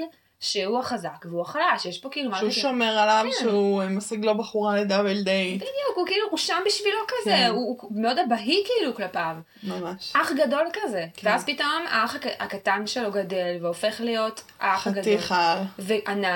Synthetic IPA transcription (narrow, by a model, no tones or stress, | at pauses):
l | ʃehuaχazakveuaχalaʃjeʃpo̞kiiːlumauʃomeʁalavʃeumasiɡlo̞baχuʁaled̪avild̪ejbid̪jukhukiiluuʃambiʃvilo̞kazeumeo̞dabaɦikiiluklapav | mamaʃaχɡado̞lkaze̞veazpito̞ma̰aχaa̰katanʃelo̞ɡade̞lveofe̞χlijo̞taaaɡad̪iχalveʔana